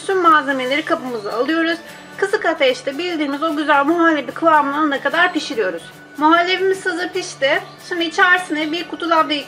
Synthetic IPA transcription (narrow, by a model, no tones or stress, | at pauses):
synmaːze̞me̞lʲe̞ɾikʰapɯmɯzaaːlˠɯjo̞ɾuz̥ | kʰɯsɯkat̪ʰɛʃt̪ɛbilʲd̪iːnizo̞ɟyzælʲmuɦalʲːe̞bikʰɯvamɯnˠanɯnakad̪aɾpiʃiɾijo̞ɾuz̥ | muɦalʲːevimizsɯzɯpiʃt̪ɪ | ʃimd̪it͡ʃʰaɾsinɛbiɾkʰut̪ʰud̪abi